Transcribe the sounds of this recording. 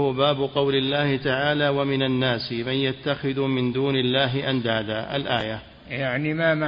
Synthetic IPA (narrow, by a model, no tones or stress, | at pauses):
hʊbaːbʊqɑwlɪlːaːhɪt̪aʕaːlaːwamɪnanːaːsɪmanjat̪ːaxɪðumɪnd̪uːnɪlːaːɦɪʔand̪aːd̪aːʔa̰lʔa̰ːja | jaʕnimama